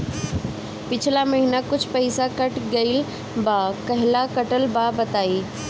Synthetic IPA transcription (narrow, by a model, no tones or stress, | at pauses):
pɪt͡ʃʰlamɐɦinakʊt͡ʃʰpɐɪsakɐʈɡɐɪl | bakɐɦɪlakɐʈəlbaːbɐt̪aːiː